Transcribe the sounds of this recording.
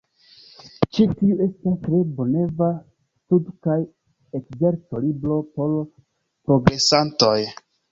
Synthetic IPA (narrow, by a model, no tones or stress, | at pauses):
t͡ʃitiue̞stastɾe̞bo̞ne̞va | studkaj | ekze̞ɾto̞libɾo̞po̞l | pɾo̞ɡɾe̞santoj